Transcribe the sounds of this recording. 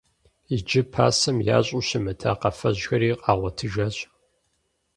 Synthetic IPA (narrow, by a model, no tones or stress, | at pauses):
id͡ʒɪpʰa̰ːsɐmja̰ːɕʼuɕɪmɨtʰaːqɐfɐʑxɐɾiːqʼɑːʁʷɔtʰɨʒɐɕ